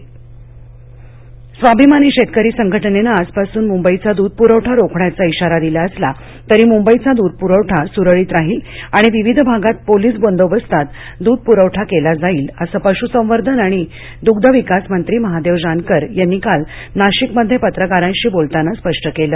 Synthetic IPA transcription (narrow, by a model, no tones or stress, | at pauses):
sʋabʱimaniɕet̪̚kəɾiːsəŋɡʱəʈənenaːd͡zpasuːnmumbəit͡sad̪uːd̪̚puɾəʋʈʰaɾokʰɳat͡saiɕaɾad̪ilaəsla | t̪əɾiːmumbəit͡sad̪ud̪̚puɾəʋʈʰasuɾəɭiːt̪ɾaɦiːlaɽ̃iʋiʋid̪ʱbʱaɡat̪̚poliːsbond̪oʋəst̪at̪ | d̪uːd̪̚puɾəʋʈʰakelad͡zaiːləsəpəɕusə̃ʋəɾd̪ʱənaɽ̃i | d̪uɡd̪ʱəʋikasmənt̪ɾiːməɦad̪eʋd͡ʑankəɾjanːikal | naɕikməd̪ʱjepət̪ɾəkaɾãnɕiːbolt̪anaspəʂʈəkeləː